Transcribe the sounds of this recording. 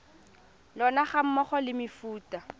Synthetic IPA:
lɔnaχam̩mɔχɔlɪmɪfuːtʼa

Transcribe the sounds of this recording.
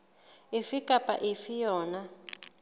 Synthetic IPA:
efikʼapʼa̰ʔefijɔːna

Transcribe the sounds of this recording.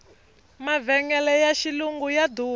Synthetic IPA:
mavɛŋɛlɛjaʃiluŋɡujad̪uː

